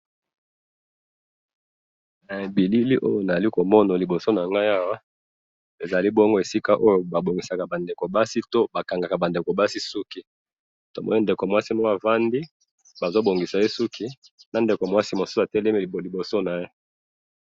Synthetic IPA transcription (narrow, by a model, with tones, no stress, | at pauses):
na˨e˨bi˨li˦li˦ʔo̰˦jo˨na˨za˨li˦ko˨mɔ˦na˨li˨bo˨so˦na˨ŋɡa˦ja˦wa˦ | e˨za˨li˦bɔ˦ŋɡo˦e˨si˦ka˦ʔo˦jo˦ba˨bo˨ŋɡi˨sa˨ka˨ba˨nde˨ko˨ba˦si˦to˦ba˨ka˨ŋɡa˨ka˨ba˨nde˨ko˨ba˦si˦su˦ki˦ | to˨mɔ̰˦ni˦nde˨ko˨mwa˦si˦mo˦a˨va˦ndi˦ | ba˨zo˦bo˨ŋɡi˨sa˨je˦su˦kʰi˦ | na˨nde˨ko˨mwa˦si˦mo˨su̥˦sa˨tɛ˦lɛ˦me˦˨li˨bo˨so˦na˨je˦